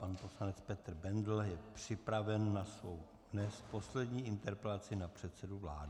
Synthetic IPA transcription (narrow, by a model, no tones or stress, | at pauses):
panposlanɛt͡spɛt̪r̩bɛndl̩jɛpr̝̥ɪpɾavɛnːasvo̞w | dnɛst̪po̞slɛdɲiːʔɪnt̪ɛɾpɛlat͡sɪnapr̝̥ɛt̪sɛduvlaːdɪ